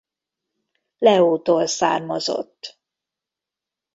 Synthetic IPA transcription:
lɛoːt̪oːlsa̰ːrmozo̰t̪ː

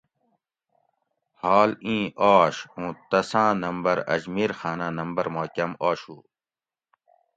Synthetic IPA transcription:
haːlĩːʔaːɕũːt̪ɐsãːnɐmbɐɾɐ̰d͡ʑmiːɾxaːnaːnɐmbɐɾmaːkɐmaːɕuː

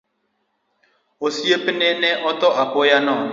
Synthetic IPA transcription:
osiepɪnenɛʔɔtɔʔapojanɔ̃

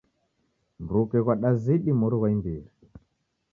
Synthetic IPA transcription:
mbɾukɛɣwaɗaziɗimɔɾiɣwaimbiɾi

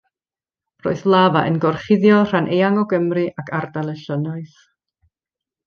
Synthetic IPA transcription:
ro̰ːɨðlˠavaʔənɡɔrχɪðjɔr̥anʔejaŋɔɡəmrɨʔakʰardalˠəʃənɔɨθ

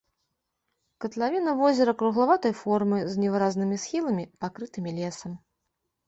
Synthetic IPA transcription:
kɐt̪lʲˠavʲinɐvɔzʲɛɾɐkɾuɣlˠavat̪ɐjfɔrmɨznʲɛvɨɾaznɨmʲisxʲilˠɐmʲipakɾɨt̪ɨmʲilʲɛsɐm

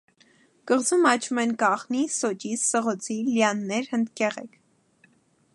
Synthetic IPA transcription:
kəʁzumɑt͡ʃʰumɛnkɑχnisɔt͡ʃissəʁɔt͡sʰiljɑnːɛɾhənd̪kɛʁɛkʰ

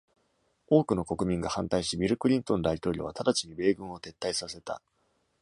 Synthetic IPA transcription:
o̞ːkɯ̟no̞ko̞kɯ̟mʲĩŋɡahãnt̪aiɕibʲiɾɯ̟kɯ̟ɾʲĩnt̪õ̞nd̪ait̪o̞ːɾʲo̞̰βat̪ʰad̪at͡ɕiɲ̟ibe̞ːɡɯ̟̃ɰ̃o̞t̪e̞t̪ːaisase̞t̪a̰

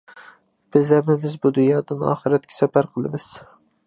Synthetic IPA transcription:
b̥ɪzɛmɪmɪzbud̪unjɑːd̪ɪnɑ̰ːχɨɾɛt̪̚kʲʰɛ̥sɛpæɾqʰəlˠɨ̰mɪz̥

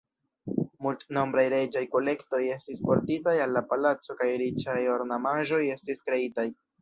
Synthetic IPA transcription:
multno̞mbɾajɾe̞d͡ʒajko̞le̞kto̞je̞stispo̞ɾtitajalːapalat͡so̞kajɾit͡ʃajo̞ɾnamaʒo̞je̞stiskɾe̞itaj

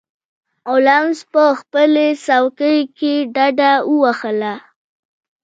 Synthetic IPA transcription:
olamzpəxpəlesawkəjkeɖaɖaəwaxəla

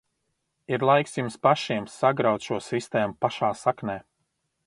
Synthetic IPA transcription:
iɾlˠajksjumspaʃiɛmsaɡɾawt̪ʃuɔsist̪eːmupaʃaːsaknɛː

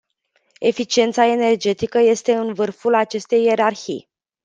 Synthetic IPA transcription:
e̞fit͡ʃie̞nt̪sae̞ne̞rd͡ʒe̞t̪ikəje̞st̪e̞ɨnvɨrfulat͡ʃe̞st̪e̞je̞ɾarçḭj

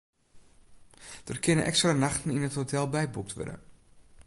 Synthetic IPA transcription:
d̥ərkɪnənʔɛ̰kstranaxtəninətɦotʰɛlˠbɛjbuk̚tʋø̰rdə̰

